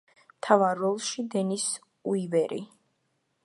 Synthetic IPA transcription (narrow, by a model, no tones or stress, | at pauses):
t̪ʰavaɾːɔlˠʃid̪ɛnis | uivɛɾʔḭ